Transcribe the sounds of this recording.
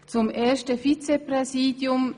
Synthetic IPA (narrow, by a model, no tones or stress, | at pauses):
t͡sʊmʔeːɐstəfit͡sepʁɛziːdjʊm